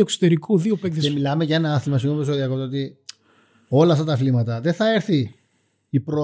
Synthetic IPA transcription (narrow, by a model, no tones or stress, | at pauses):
okso̥t̪eɾikʰuðiopekðesemilɐmeʝɐenɐɐθilmɐsikomt̪osoðiɐkot̪ːot̪i | o̞lɐɐft̪ɐt̪ɐflimɐt̪ɐðeθɐeɾθi | ipɾo